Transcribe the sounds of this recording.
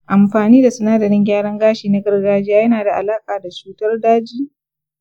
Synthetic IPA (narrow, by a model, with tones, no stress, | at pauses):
ʔa˨mɸaː˨niː˦da˨sʊ˦naː˦dɐ˨ɽɪ˦ŋɡʲaː˦ɽɐ˦ŋɡaː˦ʃiː˨na˦ɡɐ˦rɡaː˦d͡ʒɪ˦jaː˦jɐ˦naː˨da˨ʔa̰˨laː˦kʼaː˨da˨t͡ʃuː˦tɐ˦rdaː˦d͡ʒiː˦